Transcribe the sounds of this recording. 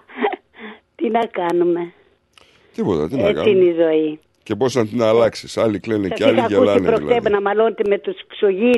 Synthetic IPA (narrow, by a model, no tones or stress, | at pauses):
t̪inɐkɐnume̞ | t̪ipot̪ɐ̰t̪inet͡sinizo̞i | ceposɐnt̪inɐːlɐksisɐliklenesɐsisɐusipɾok̪ebenɐmɐlonet̪eme̞t̪usksoʝi